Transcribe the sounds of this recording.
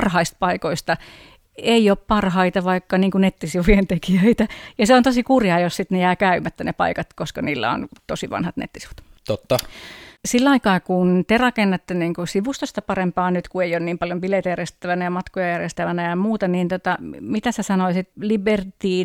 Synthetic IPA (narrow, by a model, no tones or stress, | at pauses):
rhɑist̪̚pɑikoist̪ɑ | eioppɑrhɑit̪ɑʋɑikːɑniːŋkunet̪ːisiʋujent̪ekijøit̪æjɑseont̪osikurjɑːjossit̪nejæːkæymæt̪ːænepɑ̰ikɑt̪koskɑniːlːæ̰o̰nt̪osiʋɑ̰nhɑt̪nḛt̪ːi̥si̥ʋu̥t̪t̪ot̪ːɑsilːɑikɑːkunt̪erɑkenːɑt̪ːeniːŋkusiʋust̪ost̪ɑpɑrempɑːnyt̪kueionniːmpɑljombileit̪æjærjest̪æʋænæjɑmɑt̪kojɑjærjest̪æʋænæjɑmuːt̪ɑniːnt̪ot̪ɑmit̪æsesɑnoisit̪libert̪iː